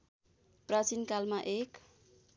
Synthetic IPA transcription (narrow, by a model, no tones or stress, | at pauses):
prat͡sinkalmaʔek